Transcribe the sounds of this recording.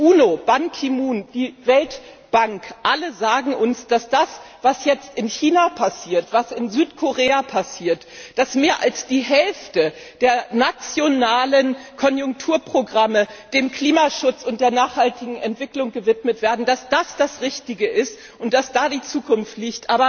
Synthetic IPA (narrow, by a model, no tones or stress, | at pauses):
ʔuːnob̥aŋkʰimuːnd̥iːvɛlt | b̥aŋkʔaləzaːɡŋ̩ʔʊnsd̥asd̥asv̥asjɛt͡stɪnçiːnapʰasiːɐtv̥asɪnzyːtkʰoʁeːapʰasiːɐt | d̥asmeːɐʔa̰lsd̥iːɦɛlftə | d̥eːɐnat͡sjonaːlənkʰɔnjʊŋk̚tʰuːɐpʁ̥oɡʁaməd̥eːmkl̥iːmaʃʊt͡sʊnt̚d̥eːɐnaːχhaltɪɡŋ̩ɛntv̥ɪklʊŋɡəvɪtmətv̥eːɐdn̩d̥asd̥asd̥asʁɪçtɪɡəʔɪst | ʔʊnt̚d̥asd̥aːdiːt͡suːkʰʊnftliːçtʔaːbɐ